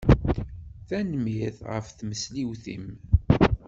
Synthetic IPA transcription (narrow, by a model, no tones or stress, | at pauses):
θænmiθʁə̰fθməsliwθḭm